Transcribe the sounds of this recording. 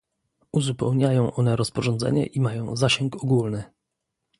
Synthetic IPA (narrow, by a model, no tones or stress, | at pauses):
uzupɛwɲajɔ̃w̃ʔɔnɛɾɔspɔʐɔnd̪zɛ̰ɲɛ̰ʔimajɔ̃w̃zaɕɛŋkɔɡulnɘ